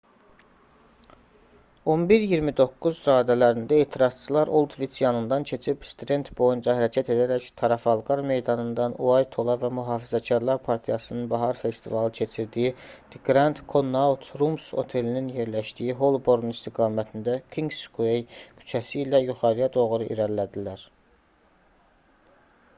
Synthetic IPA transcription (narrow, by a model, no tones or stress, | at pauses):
o̞nbiɾjiɾmid̪o̞kːuzɾɑːd̪ælæɾind̪æe̞ːt̪ʰiɾɑz̥t͡ʃʰɯlˠɑɾo̞lˠd̪visjɑnɯnd̪ɑncʰe̞t͡ʃʰipst̪ud̪e̞nt̪bo̞jund͡ʒɑɦæɾɑcʰæt̪ʰe̞d̪æɾæct̪ʰɑɾɑfɑlˠɡɑɾme̞jd̪ɑnɯnd̪ɑnuɑjt̪ʰo̞lˠɑvæmuɦɑːfizæcʰɑɾlˠɑɾpʰɑɾt̪ʰijɑsɯnɯnbɑɦɑɾfe̞st̪ivɑlˠɯcʰe̞t͡ʃʰiɾd̪ijid̪̥iɡɾɑnt̪kʰo̞nːɑut̪ʰɾumso̞̰t̪ʰe̞lininje̞ɾlæʃd̪ijiɦo̞lˠbo̞ɾnist̪iɡɑːmæt̪ʰind̪ækʰiŋɡskʰuejkʰy̥t͡ʃʰæsiːlæjuχɑɾijɑd̪o̞ɣɾuʔḭɾæɾlæd̪ilæɾ